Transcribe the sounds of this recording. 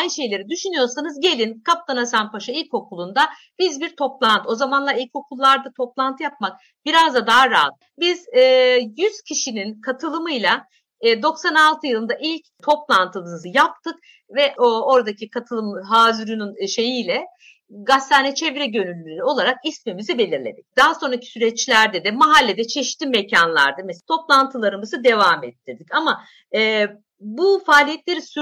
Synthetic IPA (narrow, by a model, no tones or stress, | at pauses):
ajnʃe̞jlʲe̞ɾid̪yʃynyjo̞ɾsanɯzɟe̞lʲinkʰap̚t̪ʰanasanpʰaʃailʲco̞kulˠund̪a | b̥izbiɾt̪ʰo̞plˠant̪ʰɯo̞zamanlˠailʲcʰo̞kʰulˠːaɾd̪at̪ʰo̞plˠant̪ʰɯjap̚mak̚ | b̥iɾazd̪ad̪aɦaɾaːlˠɯbiz̥ɛːjyz̥cʰiʃininkʰat̪ʰɯlˠɯmɯjlʲˠaː | d̪o̞ksanalˠt̪ʰɯjɯlˠɯnd̪aʔilʲct̪ʰo̞plˠant̪ʰɯlˠɯnɯzɯjap̚t̪ʰɯk̚ | vɛʔoo̞ɾad̪acʰikʰat̪ʰɯlˠɯmɦaːzyɾynynʃe̞jiːlʲɛ | ɡast̪ʰaːnɛt͡ʃʰɛvɾɛɟø̞nylʲːyynyo̞lˠaɾakismimizibe̞lʲiɾlʲe̞̰d̪ic̚d̪̥aɦaso̞nɾacʰi̥syɾɛt͡ʃlʲæɾd̪ɛd̪ɛmaɦalʲːed̪ɛt͡ʃʰeʃt̪ʰiːmecʰanlˠa̰ɾd̪ɯmest̪ʰo̞plˠant̪ʰɯlˠaɾɯmɯzɯd̪e̞vaːmɛt̪ːid̪icama | ɛː | bufaːlʲijɛt̪lʲe̞ɾisy